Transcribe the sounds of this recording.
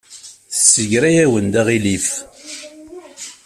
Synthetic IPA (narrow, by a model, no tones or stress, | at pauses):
θə̥sːəʝɾæjæwənd̪æʁiliθ